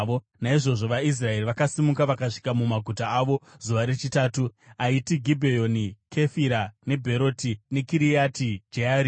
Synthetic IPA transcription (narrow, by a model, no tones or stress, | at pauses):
o | naiʐo̞ʐo̞ʋais̬rae̞riʋakasimukaʋakaʂi̥kamumaɡʱutaːʋo̞z̥uʋaɾe̞t͡ʃitaːtuaitiɡʱibʱejo̞nikʰe̞fiɾane̞bʱe̞ɾo̞tine̞kiɾiatid͡ʒeaːɾi